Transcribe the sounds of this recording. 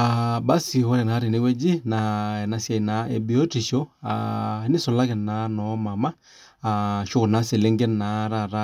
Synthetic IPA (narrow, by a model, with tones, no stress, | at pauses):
a˨ba˦si˨hɔ˦ɾɛ˨na˨˦ɾi˨ne˦wɛ˦d͡ʒi˦na˨ɛ˨na˨˦sja˨i˨na˨˦e˨bi˨˦o˦ti˨ʃo˦a̰˨˦ni˦sɔ˨la˦kɛ˨na˨˦nɔ˨˦ma˨ma˦ | a˨ʃo˦ko˨na˨˦se˨le˦ŋɡɛ˦na˨˦ɾa˦˨ɾa˦